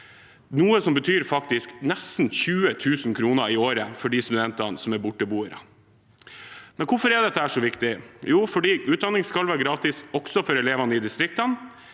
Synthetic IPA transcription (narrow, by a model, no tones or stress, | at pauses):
nuːəsɔmbət̪ʰyːɾfɑk̚t̪ɪsknɛst̪n̩çʉːət̪ʰʉːsnkʰɾuːnəɪoːɾəfɔɖiːst̪ʉd̪ɛnt̪ɑnsɔmæɾbʊʈːəbuːəɾə | mɛnkʰʊfɔɾɛd̪ɛt̪ːəæːʂɔʋɪkt̪ɪjuːfɔɖiːʔʉːt̪̚d̪ɑnːɪŋskɑlʋæːɾɡɾɑːt̪ɪsɔksɔfɔɾɛleːʋɑnəɪd̪ɪst̪ɾɪkt̪ɑn